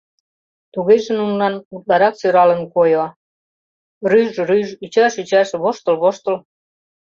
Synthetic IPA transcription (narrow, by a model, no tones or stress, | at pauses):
t̪uɣeʒĕnunlɑnut̪̚lɑɾɑksøɾɑlə̆nkojo | ryʒɾyʒyt͡ɕæʃyt͡ɕæʃeβoʃt̪əlβoʃt̪ə̆l